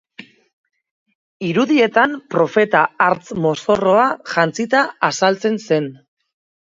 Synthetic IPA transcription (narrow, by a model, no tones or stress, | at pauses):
iɾuðie̞t̪ampɾo̞fe̞t̪aːɾt͡smo̞so̞ro̞aʝant͡sit̪aasalt͡se̞nse̞n